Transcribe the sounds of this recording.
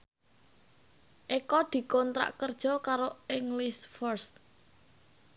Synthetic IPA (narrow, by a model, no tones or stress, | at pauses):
ʔekɔd̪̥i̤kɔnt̪ɾa̰ʔkərd̥ʒ̥ɔ̤kaɾoɪŋlisfɔrst̪